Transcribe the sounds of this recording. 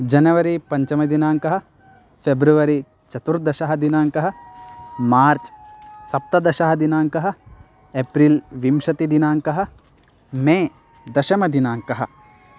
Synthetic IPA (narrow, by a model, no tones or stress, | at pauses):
d͡ʒɐnɐʋɐɾipɐɲt͡ʃɐmɐd̪inaːŋkɐɦɐ̆ | pʰebɾuʋɐɾi | t͡ʃɐt̪uɾd̪ɐʃɐɦɐd̪inaːŋkɐɦɐ̆ | maːɾt͡ʃsɐp̚t̪ɐd̪ɐʃɐɦɐd̪inaːŋkɐɦɐ̆ | epɾilʋimʃɐt̪id̪inaːŋkɐɦɐ̆ | mẽː | d̪ɐʃɐmɐd̪inaːŋkɐɦɐ̰̆